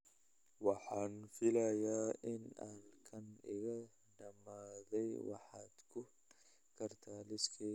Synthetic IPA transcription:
wɑħaːnfɪlɐjaːʔɪnaːnkʰɐnɪɣɐ | ɖɐmaːðɛjwɑ̰ħɑːd̪̥kʰʊ | kʰɐrt̪ʰaːlɪskʰi

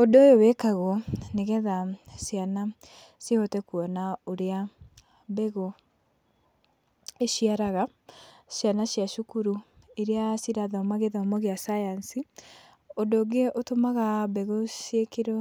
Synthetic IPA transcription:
odojowɛkaɣɔneɣɛðasiana | sehotɛkuɔnaoɾea | bɛɣo | eʃiaɾaɣa | sjanasjaʃukuɾu | eɾeasiɾaðamaɣeðamɔɣeasajansi | odoɡeʔotomaɣabɛɣosjekeɾɔ

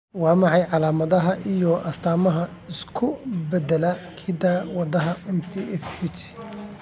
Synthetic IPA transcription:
wɑːmɑʕɑjʕɑlaːmɐðɐɦɐʔijɔʔɐst̪ʰaːmɐɦɐɪskʰʊbɛd̪ɛlɐkʰɪd̪awɑd̪ɐɦɐɛmt̪ʰiɛfɛt͡ʃ

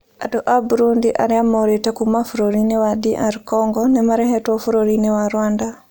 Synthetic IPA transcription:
a̰dɔʔabuɾundiʔa̰ɾiamɔɾitakumafuɾoɾinewadiʔaɾkɔŋɡɔnɛmaɾɛhɛtɔfuɾoɾinewaɾwanda

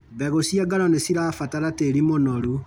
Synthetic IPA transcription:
βɛɣosiaɡaɾɔnesiɾafataɾateɾimonoɾu

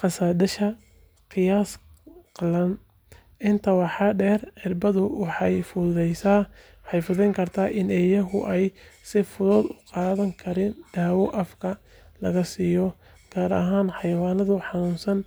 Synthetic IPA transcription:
qɑsaːd̪ɐʃɐ | qɪjaːs | qɑlɐn | ʔɪnt̪ʰɐwɑħɑɖɛːrʕɪrbɐðʊwɑħɑjfʊðɛjsaː | ħɑjfʊðɛŋkʰɐrt̪ʰaːʔɪnɛːjɐɦʊʔɛjsɪfʊðɔːd̪ʊqɑːðɐŋkʰɐɾɪːnd̪̥aːwɔʔɐfkʰɐ | lɐɣɐsiːjɔ | ɡ̥aːɾɐ̰ɦaːnħɑjwaːnɐðʊħɑnʊːnsɐn

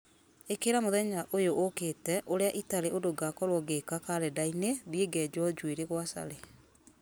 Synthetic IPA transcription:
ekeɾamoðɛɲaʔojoʔoketɛʔoɾeaʔitaɾeʔodoɡakɔɾwɔɡekakaɾɛdaineðieɡɛd͡ʒɔd͡ʒueɾeɣwasa̰ɾe

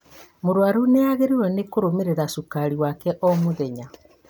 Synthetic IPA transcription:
moɾwaɾuneaɣeɾeɾwɔnekoɾomeɾeɾasukaɾiwakɛʔɔmoðɛɲa

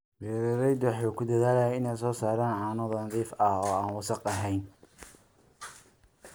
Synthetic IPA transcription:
bɛːɾɛɾɛjd̪wɑħukʰʊd̪ɐðaːlɐjaɪnɛjsɔːsaːɾaːnʕɑːnɔðɐnɑðiːfɐhɔːaːnwɑsɑqɐɦɛjn

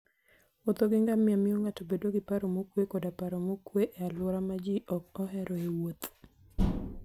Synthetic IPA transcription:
ot̪oɡɪŋɡamɪamɪoŋatobedoɡɪpaɾomokwekodapaɾomokweʔɛalɔɾamad͡ʒiʔɔk̚ɔɦɛɾʔɔewot̪

